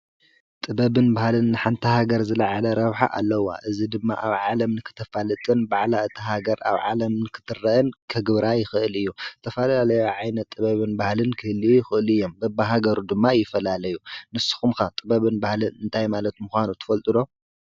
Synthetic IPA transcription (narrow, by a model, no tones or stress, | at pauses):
t̪ʼɨbɐβɨnbahlɨnːɨħant̪ʰihaɡɐɾzɨlaʕalɐɾɐβħa̰ʔa̰lːɐwa̰ʔɨzid̪ɨmːa̰ʔaβʕalɐmnɨkʰɨ̥t̪ʰɐfalɨt̪ʼɨnbaʕlaɨt̪ʰiɦaɡɐɾa̰βʕalɐmnɨkʰɨ̥t̪ʰɨrːɐʔɨnkʰɐɡɨβɾajɪxɨʔɨlɨjːuɨt̪ʰɐfɐlalɐjoʕajnɐt̪ʼːɨβɐβɨnbahlɨnkʰɨhɨlijɪxɨʔɨlɨjːo̞mbɐbaɦaɡɐɾud̪ɨmːajɪfɐlalɐjunɨsɨ̥xumkat̪ʼɨbɐβɨnbahlɨnɨnt̪ʰajmalɐt̪muxʷanut̪ʰɨ̥fɐlt̪ʼɨd̪o̞